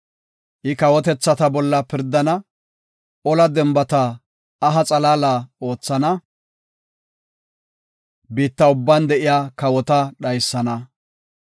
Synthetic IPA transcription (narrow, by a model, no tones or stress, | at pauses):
ʔɪkɐwɔt̪ɛt͡sːɐt̪ɐbɔlːɐpɪɾd̪ɐnɐ | ɔlɐd̪ɛmbɐt̪ɐː | ɦɐt͡sʼɐlaːlaːo̞ːt͡sːɐnɐ | biːt̪ːɐʊbːɐnd̪ɛʔɪjaːkɐwɔt̪ɐɗɐjsːɐnɐ